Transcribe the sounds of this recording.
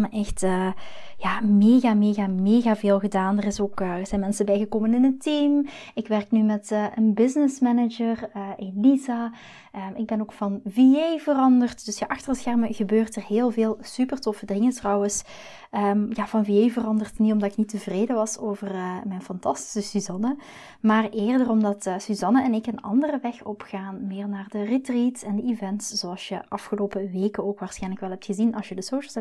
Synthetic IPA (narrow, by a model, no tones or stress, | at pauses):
məʔɛxtəjaːmeːɣaːmeːɣameːɣaːveːlˠɣədaːndərɪsoːkəz̥ɛjnmɛnsəbɛjɣəkoːmənɪnətim | ɪkʋɛrknymɛtəʔənbɪznɪsmɛnəd͡ʒərəʔeliza | ʔəɪɡ̚bɛnoːkfɑnviejvərɑndərtd̥ɵsjaːʔɑxtərəsxɛrməɣəbøːrtərɦeːlˠveːlˠsypərtɔfədɪŋətrɑwəs | əmjaːvɑnviejvərɑndərtnitɔmdɑtɪknitəvreːdəʋɑsoːvərmɛjnfɑntɑsti̥səsyzɑnə | maːrʔeːrdərɔmdɑtsyzɑnəɛnɪkənɑ̰ndərəʋɛxɔpxaːnmɪːrnaːrdəritritsɛndəivɛntsz̥oɑlˠsjəʔɑfxəloːpəʋeːkənoːkʋaːɹsxɛjnləkʋɛlˠɦɛp̚txəzinɑlˠsjədəsowʃəlˠsɛ